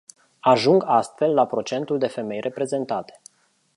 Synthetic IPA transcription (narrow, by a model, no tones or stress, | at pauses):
aʒuŋɡast̪fe̞lːapɾo̞t͡ʃe̞nt̪uld̪e̞fe̞me̞jrʔe̞pɾe̞ze̞nt̪at̪e̥